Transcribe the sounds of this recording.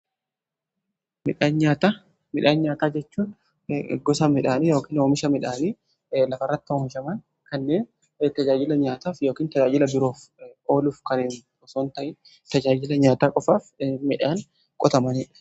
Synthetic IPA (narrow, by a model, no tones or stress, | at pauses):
mɪᶑaːnɲaːt̪a | mɪᶑaːnɲaːt̪aːd͡ʒɛt͡ʃːuːn | ɡɔsɐmɪᶑaːniːjo̞ːkiːnoːmɪʃɐmɪᶑaːniː | lɐfɐrːɐt̪ːɪhoːmɪʃɐmɐn | kɐnːeːn | t̪ɐd͡ʒaːd͡ʒɪlɐɲaːt̪aːfjo̞ːkiːnt̪ɐd͡ʒaːd͡ʒɪlɐbɪɾo̞ːfo̞ːluːfkɐnɪnbɔsoːnt̪ɐʔɪ | t̪ɐd͡ʒaːd͡ʒɪlɐɲaːt̪aːkʼɔfaːfmɪᶑaːn | kʼɔt̪ɐmɐniːᶑɐ̥